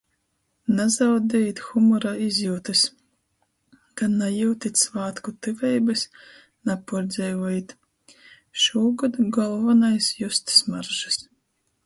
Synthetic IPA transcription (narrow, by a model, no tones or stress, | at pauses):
nazawd̪ʲɛjit̪ʲxumɔɾaizjuːt̪ɨs | k̪anajuwt̪it̪ʲsvaːt̪kut̪ɨvɛjbɨs | napuɾd̪zʲɛjvɔjit̪ | ʃuːɡad̪uɡɔlˠvanajsjust̪smaɾʒɨs